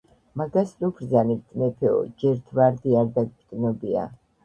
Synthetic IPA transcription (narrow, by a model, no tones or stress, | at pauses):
maɡaslupʰɾzanit̪ʼmɛpʰɛɔ̰d͡ʒɛɾt̪ʰvaɾd̪iaɾd̪aɡ̚bt̪ʼnɔbia̰